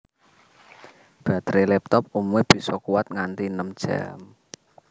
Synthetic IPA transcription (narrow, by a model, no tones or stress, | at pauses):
b̥ä̤t̪ɾʔelɛp̚t̪ɔp̚umweb̥i̤sɔkuwat̪̚ŋant̪inəmd̥ʒ̥a̰m